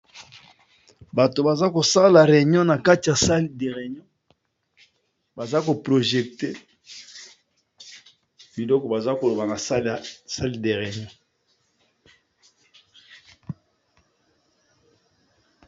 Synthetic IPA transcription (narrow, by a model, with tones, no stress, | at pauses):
ba˨to˨ba˨za˦ko˨sa˦la˨ʁe˨ɲɔ̃˦na˨ka˦ti˨ja˨sa˦li˦de˨ʁe˨ɲɔ̃˦ | ba˨za˦ko˨pʁo˨ʒe˨k̚te˦ | bi˨lɔ˦kɔ˨ba˨za˦ko˨lo˨ba˨na˨sa˦lsa˦li˦˨de˨ʁe˨ɲɔ̃˦